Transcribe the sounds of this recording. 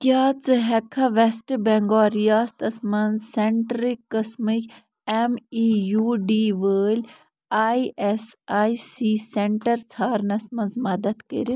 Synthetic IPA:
kjaːt͡sɨɦɛkʰːaʋesʈbɛŋɡaːɾijaːst̪ɐsmɐnzsɛɳʈɾikːɐsmik | emiːjuːɖiːʋəːlʲ | aːiʔɛsaːisiːseɳʈɐɾt͡sʰaːɾnɐsmɐnzmɐd̪ɐt̪kɐ̰ɾi

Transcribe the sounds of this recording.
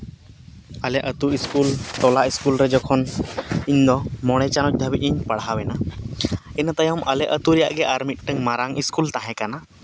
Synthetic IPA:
əlɛʔət̪uiskult̪ɔlaʔiskulɾɛd͡ʒɔkʰɔniɲd̪ɔmɔɽ̃ɛt͡ʃanɔc̚ˀd̪ʱəbiʔ̚iɲpaɽɦawɛna | ɛnat̪ajɔmʔəlɛʔət̪uɾɛja̰ʔɡɛʔaɾmit̪̚ʈəŋmaɾaŋʔiskult̪aɦɛ̃kana

